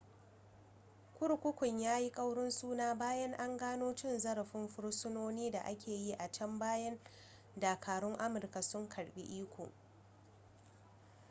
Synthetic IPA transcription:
kʷʊ˦ɽkʷʊ˦kʷʊ˨ɲjaː˦ji˦kʼɐ˦wɽʊ˦nsuː˦naː˦baː˦jɐ˦ŋʔa˦ŋɡaː˦noː˦t͡ʃɪ˦nzɐ˦ɾa˨ɸɪ˦mɸʊ˦ɽsʊ˦noː˦niː˦da˨ʔa˦kʲʰeː˨ji˦ʔa˨t͡ʃɐ˦mbaː˦jɐ˦n | daː˨kʰaː˨ɽʊ˦ŋʔa˦mʊ˨rka˨sʊ˦ŋkʰɐ˨ɽɓḭ˦ʔiː˦kʷʰo̰ː˨

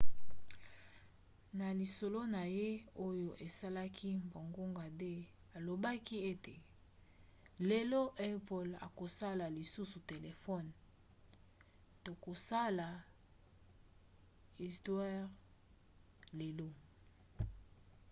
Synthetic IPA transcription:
na˨li˨so˨lo˦na˨je˦o˦jo˨ʔe˨sa˦la˦kʰi˦mbo˨ŋɡo˦ŋɡa˨de˦ | a˨lo˨ba˦ki˦e˦te˨ | le˨lo˦ʔɛ˦po˨la̰˨ko˨sa˦la˨li˨su˦su˨te˨le˨fɔ˦˨n | to˨ko˨sa˦la˨ | i˨stwɛ˦ʁ | le˨lo˦

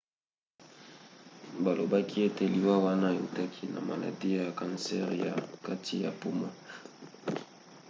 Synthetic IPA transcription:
ba˨lo˨ba˦kʰi˦e˦te˨li˨wa˦wa˦na˦˨o̰˨ta˦kʰi˦na̰˨ma̰˨la̰˨di˦ja˨kã˨nsɛ˦ʁja̰˨ka˦tʰi˦ja˨pu˦mɔ˦

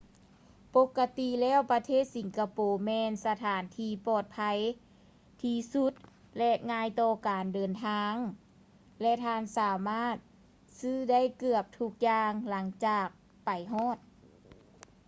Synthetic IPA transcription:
po˧˥kːa˧t̪i˧lɛː˥˩˨wpa˧t̪ʰeː˥˩t̪̚si˨˦ŋkʰa˧poː˨˩mɛː˧nsa˧t̪ʰaː˨˩˦nt̪ʰiː˧pɔː˨˩t̪̚pʰa˧j | t̪ʰiː˧su˧˥t̪̚ | lɛ˧ʔŋaː˧˥jt̪ɔː˧˩kaː˨˩ndɤː˨˩nt̪ʰaː˧ŋ | lɛ˧t̪ʰaː˧nsaː˨˩˦maː˥˩t̪̚ | sɯː˧˥˩da˥˨jkɯ˧˩əp̚t̪ʰu˧˩k̚jaː˧ŋla˩˦ŋt͡ɕaː˧˩k̚ | pa˨˩jɦɔː˧˥˩t̪̚

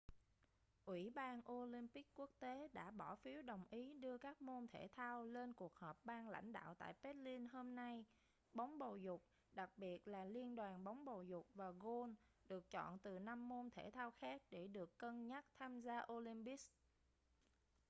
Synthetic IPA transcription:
ʔwḭ˧˩ɓaː˧nʔo˧li˧mpi˦˥kku˦˥ək̚t̪e˨˦ɗa̰ː˧˥ɓɔ˧˩fi˨˦əwɗə˨˩wŋ͡mʔi˨˦ɗɨ˧əkaː˦˥k̚mo˧nt̪ʰe˧˩t̪ʰaː˧wle˧nku˨˩ək̚həː˨˩p̚ɓaː˧nla̰˧˩jŋ̟ɗa̰ː˧˨wt̪a̰ː˧˨jpe˦˥t̚li˧nho˧mna˧j | ɓa˨˦wŋ͡mɓo˨˩zʊ˨˩k͡p̚ | ɗa˨˩k̚ɓi˨˩ət̚laː˨˩li˧ənɗwaː˨˩nɓa˨˦wŋ͡mɓo˨˩zʊ˨˩k͡p̚vaː˨˩ɣo˧nɗɨ˨˩ək̚t͡ɕɔ̰˧˨nt̪ɨ˨˩na˧mːo˧nt̪ʰe˧˩t̪ʰaː˧wxaː˦˥k̚ɗe˧˩ɗɨ˨˩əkːə˧nɲa˦˥k̚t̪ʰaː˧mzaː˧ʔo˧li˧mpi˦˥s

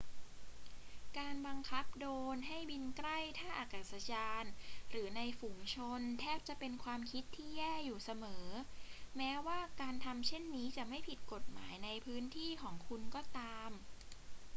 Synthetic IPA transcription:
kaː˧nba˧ŋkʰa˦˥p̚doː˧nɦa˥˩jbi˧nkɾa˥˩jt̪ʰaː˥˩ʔa˧˩ka˨˩t̪̚sa˨˧˦jaː˧nɾɯː˩˦na˧jfuː˩˦ŋt͡ɕʰo˧nt̪ʰɛː˥˩p̚t͡ɕa˨˩pe˧nkʰwaː˧mkʰi˦˥t̪ʰːiː˥˩jɛː˥˩juː˨˩sa˧mɤː˩˦mɛː˦˥waː˥˩kaː˧nt̪ʰa˧mt͡ɕʰe˥˩nːiː˦˥t͡ɕa˨˩ʔma˥˩jpʰi˨˩t̪̚ko˨˩t̪̚maː˩˦jna˧jpʰɯː˦˥nt̪ʰiː˥˩kʰɔː˩˦ŋkʰu˧nkɔː˥˩t̪aː˧m

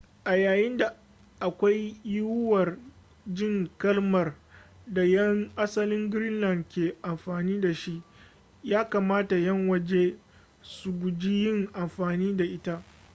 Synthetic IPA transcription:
ʔa˨jaː˨jɪ˦nda˨ | ʔa˨kʷa˦jjʊ˦wʊ˦wɐ˨r | d͡ʒɪ˦ŋkɐ˦lmɐ˨rda˨jɐ˦ŋʔa˦sɐ˦lɪ˦ŋɡɾɪ˦nlɐ˨ndkʲeː˨ʔa˨mɸaː˨niː˦da˨ʃi˦ʔ | jaː˦kaː˨maː˦ta˨jɐ˦ŋwɐ˦d͡ʒe˦ | su˨ɡʷʊ˨d͡ʒi˦jɪ˦ŋʔa˨mɸaː˨niː˦da˨ʔɪ˦ta˦ʔ

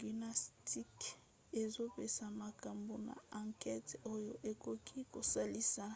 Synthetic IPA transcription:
ɡi˨na˨sti˦k | e˨zo˦pe˨sa˨ma˨ka˨mbo˨na̰˨a˨ŋkɛ˦to˦jo˨ʔe˨ko˦kʰi˦ko˨sa˦li˦sa˦

